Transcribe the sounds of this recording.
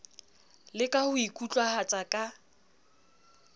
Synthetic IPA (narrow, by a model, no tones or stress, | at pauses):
lɪkʼahʊikʼut͡ɬʼwahat͡sʼakʼa